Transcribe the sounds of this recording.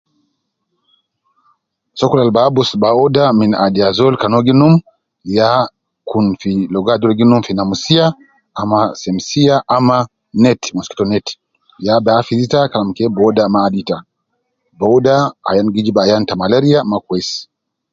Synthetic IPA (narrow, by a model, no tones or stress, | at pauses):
sɔkulalbabusbaɔdamina̰diazɔlkanɔɡinum | ja | kunfilɔɡadɔlɡinumfinamusia | amasɛmsiaʔama | nɛtmuski̥tɔnɛt | jabaafizitakalamkɛbɔdamaːdita | bɔdaa̰janɡid͡ʒibajantamalɛɾiamakwɛs